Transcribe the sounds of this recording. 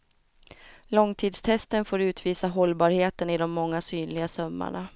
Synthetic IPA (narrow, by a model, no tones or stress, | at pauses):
lɔŋt̪ʰiːd̪st̪ʰɛst̪ənfoːɾʉ̟ːt̪ʰviːsaɦɔlːbɑːɾheːt̪ənɪd̪ɔmːɔŋːasyːnlɪɡasœmːa̰ɳa